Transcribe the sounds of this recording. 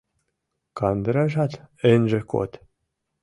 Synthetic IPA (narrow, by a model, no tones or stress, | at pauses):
kɑnd̪ɾɑʒɑt̪ɘ̆nʲʒĕko̰t̪